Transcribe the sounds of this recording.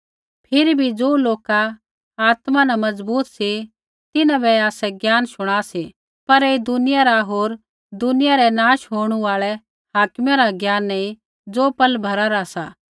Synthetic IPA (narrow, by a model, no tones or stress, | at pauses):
pʰɪɾibʱid͡zoːloːka | aːt̪manamɐd͡zbuːt̪si | t̪ɪnãbʱɛaːsɛɡjaːnʃʊɽ̃aːsi | pɐɾeːd̪ʊnɪjaɾaɦoːɾ | d̪ʊnɪjaɾɛnaːʃɦoːɽ̃uaːɭɛ | haːkmaɾaɡjaːnːɐĩ | d͡zoːpɐlbʱɐɾaɾasa̰ː